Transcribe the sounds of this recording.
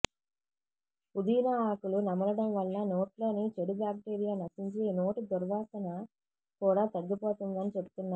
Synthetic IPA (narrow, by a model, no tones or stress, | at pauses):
pud̪iːnɐːkulunɐmːɐlɐɽɐmʋɐɭːɐno̞ːʈlo̞ːnit͡ʃeɽubaːk̚ʈeːɾijaːnɐsiɲt͡ʃino̞ːʈid̪ɔɾʋaːsɐnɐ | kuːɽaːt̪ɐɡːipoːt̪und̪ɐnit͡ʃebu̥t̪unːaː